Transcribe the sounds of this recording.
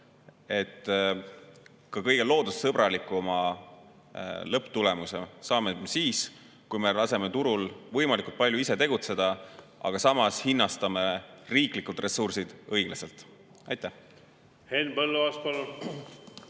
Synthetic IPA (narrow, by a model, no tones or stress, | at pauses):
e̞t̪ː | kɑkɤ̞jɡ̥e̞lo̞ːd̪̥ussɤb̥ɾɑlikːˑumɑ | lɤpt̪ule̞muse̞sɑːmesiːs | kujme̞lɑse̞me̞t̪uɾulvɤjmɑlikult̪̚pɑlʲjuise̞t̪e̞ɡ̥ut̪se̞d̪̥ɑ | ʔɑ̰ɡ̥ɑsɑmɑshinːɑst̪ɑme̞riːklikːˑult̪re̞sursid̪̥ɤjɡ̥lɑse̞lt̪ˑ | ɑjt̪ːæh | henbɤlːuɑspɑlːun